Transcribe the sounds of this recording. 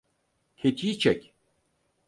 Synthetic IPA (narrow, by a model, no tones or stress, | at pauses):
cʰet̪ʰit͡ʃʰɛcʲ